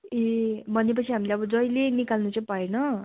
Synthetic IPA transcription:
ebʱʌnep̬ʌt͡sʰiɦamileʌbʌd͡zʌjlenikalnut͡sʌj̃paenʌ

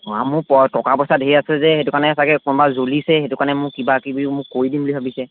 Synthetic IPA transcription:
amʊpɔtɔkapɔsadɦejasɛzɛhetukaɹnɛsakɛkɔnɔbazolisɛhetukanɛmʊkibakibimʊkoɹidimbulibʱabisɛ

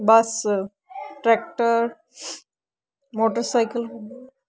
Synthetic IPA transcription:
bas | ʈɾɛk̚ʈəɾ | moʈəɾsajkəl

